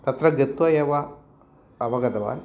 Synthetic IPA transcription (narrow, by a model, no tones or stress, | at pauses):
t̪ɐt̪ɾɐɡet̪ʋɐjɐʋɐː | ʋɐɡɐd̪ɐʋa̰ːn